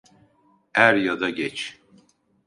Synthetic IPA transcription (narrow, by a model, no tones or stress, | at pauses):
æɾjad̪aɟɛt͡ʃ